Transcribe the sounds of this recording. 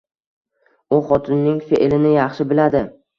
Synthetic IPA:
ʊχɒt̪ʰɪnːɪŋfḛʔlɪnɪjɑχʃɪbɪlad̪ɪ

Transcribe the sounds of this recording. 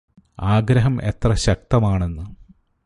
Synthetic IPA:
aːɡɾɐɦɐmʔe̞̰t̪rɐɕɐk̚t̪ɐmaːɳe̞nːɨ

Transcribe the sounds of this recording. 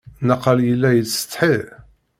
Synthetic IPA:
nəqːɑljəlːæjət͡sːə̥t̪ˤħið

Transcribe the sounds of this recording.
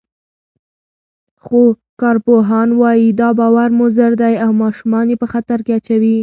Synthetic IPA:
xo | kɑɾpoɦɑnwɑjid̪ɑbɑwaɾmʊzəɾd̪ajawmɑʃumɑnjepəxat̪aɾkeat͡ʃawi

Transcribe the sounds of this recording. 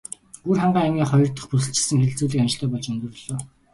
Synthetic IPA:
urχaɴɢaːæmɡʲiːχɔjɞ̆r̥t̪ə̆χpusɘ̆ɬt͡ɕɪ̥̆sə̆ŋxeɮt͡suːɮiːkant͡ɕ̆ɬt̪ʰœːpɔɮt͡ɕɵnt̪ɵ̆r̆ɮoː

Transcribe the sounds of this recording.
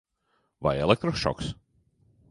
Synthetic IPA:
va̰jɛlˠek̚t̪ɾɔʃɔ̰ks

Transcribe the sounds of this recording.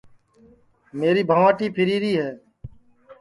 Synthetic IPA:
meːɾiːbʱaːʋaːʈiːpʰɪɾiːɾiːɦɛː

